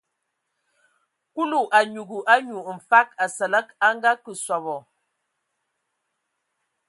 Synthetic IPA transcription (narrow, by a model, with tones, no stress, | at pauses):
ku˦lu˨ʔa˨ɲu˨ɡu˨ʔa˦ɲu˨m̩˨fa˦ka˨sə˨lə˦ka˦ŋ˦ɡa˦kə˨swa˨bɔ˨